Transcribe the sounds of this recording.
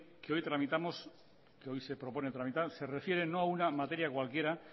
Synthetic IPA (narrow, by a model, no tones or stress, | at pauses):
keo̞jt̪ɾamit̪amo̞s | keo̞jse̞pɾo̞po̞net̪ɾamit̪aɾse̞re̞fje̞ɾe̞no̞aunamat̪e̞ɾjakwalkje̞ɾa